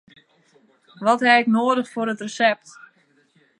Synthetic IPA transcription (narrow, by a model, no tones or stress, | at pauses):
ʋɔthɛɪknoːdəχfoɾətrəsɛp̚t